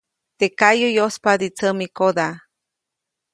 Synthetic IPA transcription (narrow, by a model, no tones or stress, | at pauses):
t̪ekajojospad̪it͡səmikod̪a